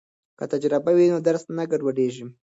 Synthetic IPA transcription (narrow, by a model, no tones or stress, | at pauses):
kət̪ad͡ʒɾɪbawinod̪aɾsnaɡaɖwaɖeʒi